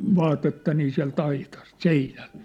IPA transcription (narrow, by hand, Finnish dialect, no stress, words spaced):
ʋɑːtetːɑ niː siæ̝lt ɑitɑst seinælt